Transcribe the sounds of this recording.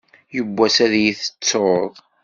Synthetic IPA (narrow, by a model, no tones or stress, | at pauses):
jəbːæsæðjiθə̥t͡sːoðˤ